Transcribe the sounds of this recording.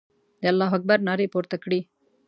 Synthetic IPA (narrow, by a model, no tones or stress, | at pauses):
d̪eɐlːaːɦɐk̚bɐɾnaːɾepoːɾt̪ɐkɽiː